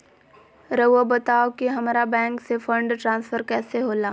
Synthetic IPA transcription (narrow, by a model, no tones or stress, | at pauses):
ɾəobɐt̪aːokiɦɐmaːɾabɛ̃ːŋksefə̃ɳɖʈɾãːnsfʰəɾkɛːseɦoːlaː